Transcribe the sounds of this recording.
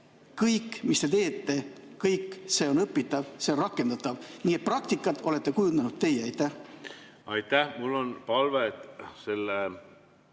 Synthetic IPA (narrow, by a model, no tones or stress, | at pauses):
kɤjkːmist̪e̞t̪e̞ːt̪ˑːe̞ | kɤjkːˑse̞ːo̞nɤpːit̪ˑːɑvse̞o̞nrɑkːˑe̞nd̪ɑt̪ːˑɑvniːe̞t̪̚prɑk̚t̪ikːˑɑt̪ːo̞le̞t̪ːe̞kujund̪ɑnut̪̚t̪ːe̞jeɑjt̪ːæh | ɑjt̪ːæhmulːonpɑlvet̪selːe